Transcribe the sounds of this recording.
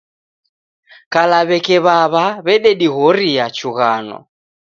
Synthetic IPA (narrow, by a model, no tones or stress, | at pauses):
kalaβɛkɛβaβaβɛɗɛɗiɣɔɾijat͡ʃuɣanɔ̰